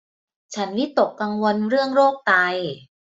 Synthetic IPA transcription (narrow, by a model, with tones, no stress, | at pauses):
t͡ɕʰa˦˥nwi˦˥t̪o˨˩kːa˧ŋwo˧nɾɯ˥˩əŋɾoː˥˩k̚t̪aː˧j